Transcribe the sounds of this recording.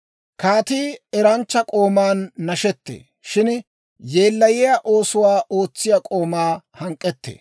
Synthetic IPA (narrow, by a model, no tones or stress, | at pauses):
kaːt̪iːɛɾɐnt͡ʃːɐkʼo̞ːmaːnːɐʃɛt̪ːḛː | ʃɪn | jeːlːɐjɪjaʔo̞ːsʊwaːʔo̞ːt͡sːɪjɐkʼo̞ːmaːhɐŋkʼːɛt̪ːḛː